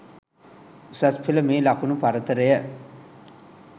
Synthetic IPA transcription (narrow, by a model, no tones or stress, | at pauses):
sɐspʰilɐmeːlɐkunupɐɾɐt̪ɐɾɐjɐ